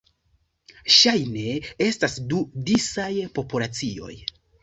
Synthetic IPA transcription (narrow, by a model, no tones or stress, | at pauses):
ʃajne̞e̞stasdudisajpo̞pulat͡sio̞̰j